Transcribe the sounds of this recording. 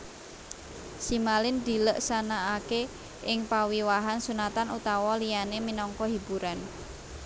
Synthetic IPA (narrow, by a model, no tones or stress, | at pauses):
simalɪnd̪̥i̤ləʔsanaːke | ʔɪŋpawiwaɦansunat̪anut̪awɔlijaneminɔŋkɔɦib̥uɾan